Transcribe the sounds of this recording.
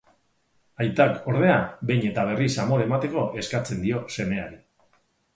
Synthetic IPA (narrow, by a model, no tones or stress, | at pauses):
ajt̪ako̞ɾðe̞abe̞jɲe̞t̪aβ̞e̞risamo̞ɾaemat̪e̞ko̞ʔe̞skat͡se̞nd̪io̞se̞me̞aɾi